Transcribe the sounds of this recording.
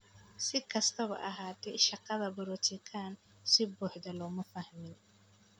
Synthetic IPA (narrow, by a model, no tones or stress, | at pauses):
sɪkʰɐst̪ʰɐβɐ̰ʔɐɦaːt̪ʰɛjʃɑqɑðɐbɐɾɔt͡ʃʰɪkʰaːn | sɪbuːħd̪ɐlɔːmɐfɐhmɪn